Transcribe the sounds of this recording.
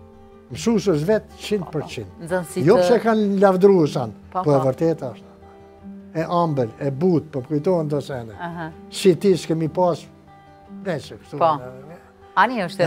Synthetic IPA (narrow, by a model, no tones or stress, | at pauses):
msusəs̬vɛt̪t͡ʃind̪pəɾt͡ɕind̪nzɔnsijɔpsɛkanlavd̪ɾuɛʃanppɔɛvəɾt̪ɛt̪aʃt̪u̥ | ɛʔambəlɛbut̪̚pɔkujt̪ɔɛnd̪ɔsɛnɛɦsit̪iskɛmipas | pɾɛsəkə̥ʃt̪unɛɛvɛ | aniəʃt